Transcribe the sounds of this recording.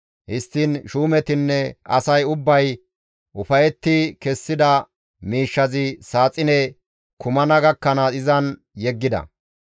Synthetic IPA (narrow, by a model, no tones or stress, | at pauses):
hɪst̪ːiːnʃuːmɛt̪ɪnːɛʔɐ̰sɐjʊbːɐj | ʔʊfɐjɛt̪ːɪkɛsːɪd̪ɐ | miːʃːɐzɪsaːt͡sʼɪnɛ | kʊmɐnɐɡɐkːɐnɐɪzɐn | jɛɡːɪd̪ɐ̰